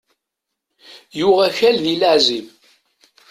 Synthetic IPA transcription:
jʊʁæçælðiləʕziv

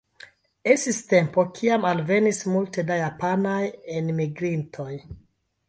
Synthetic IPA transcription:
e̞stiste̞mpo̞kʰiamalve̞nismulte̞dajapanajenmiɡɾintʰo̞j

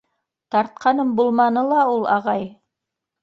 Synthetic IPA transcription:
t̪ɑɾt̪̚qʰɑnɤmbulˠmɑnɤlˠɑulˠɑ̰ʁɑj

